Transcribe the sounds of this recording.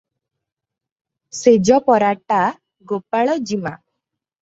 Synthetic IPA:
sed͡ʒɔpɔɾaʈa | ɡopaɭɔd͡ʒima

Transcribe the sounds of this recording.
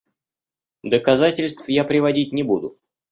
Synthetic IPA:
d̪əkɐzatʲɪlʲst̪fjapɾʲɪvɐdʲit̚ʲnʲɪbud̪ʊ

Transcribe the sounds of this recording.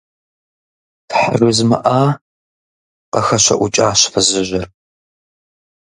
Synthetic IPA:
tħarʷʊzmɐ̰ʔaː | qɐxɐʃɐ̰ʔʷʊt͡ʃʼaːɕfɐzɨʒɪr

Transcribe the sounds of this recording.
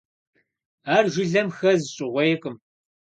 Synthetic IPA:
aːrʒɪɮɐmxɐzɨɕʼɪʁʷɔjɛkʼɨm

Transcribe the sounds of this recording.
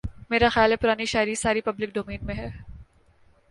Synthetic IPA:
meːɾaxɪjaːlɦɛpʊɾaːniʃaːɪɾisaːɾipɐblɪk̚d̪oːmeːnmẽɦɛː

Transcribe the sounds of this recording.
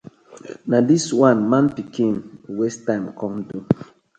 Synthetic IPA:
nadiswãnmãnpikʰĩnwɛstãmkʰɔ̃mdum

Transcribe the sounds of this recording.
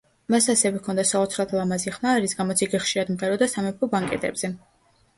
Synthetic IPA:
masasɛvɛkʰɔnd̪asaɔt̪sʰɾat̪ʰlˠamaziχmaɾisɡamɔt̪sʰiɡɛχʃiɾad̪mt̪ʼɛɾɔd̪asamɛp̚kʰɔbaŋkʼɛ̰t̪ʼɛ̰bz̥ɛ

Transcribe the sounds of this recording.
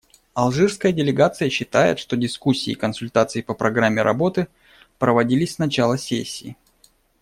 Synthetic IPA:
ɐlˠʐɨrskəjədʲɪlʲɪɡat̪sɨjəɕːɪt̪ajɪ̰t̪ʂt̪o̞dʲɪskusʲːḭːkənsʊlʲt̪at̪sɨɪpəpɾʔɐɡɾamʲːɪɾʔɐ̰bo̞t̪ɨ | pɾəvɐdʲilʲɪsʲsnɐt͡ɕalˠəsʲesʲːiː

